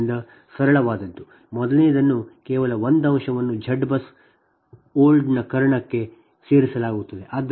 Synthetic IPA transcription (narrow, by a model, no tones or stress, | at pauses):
nd̪ɐ | sɐɾɐɭɐʋaːd̪ɐd̪ːu | mɔd̪ɐleːd̪ɐnːukɛːʋɐlɐʋond̪ɐmʂɐʋɐnːud͡ʒʱɐɖbɐs | oːlɖnɐkɐɾɐɳɐkːe̞ | seːɾisɐlaːɡut̪ːɐd̪e̞ʔɐd̪